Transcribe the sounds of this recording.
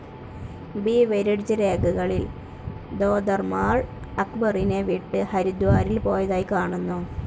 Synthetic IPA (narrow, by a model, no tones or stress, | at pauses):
biːʋeɾɐɽit͡ɕːɐɾe̞ːɡuɣɐɭil | d̪oːd̪ɐrmaːɻ | ɐkbɐrineʋiʈːɨhɐɾud̪uʋaːɾilpo̞ːjɐðaːjikaːɳunːu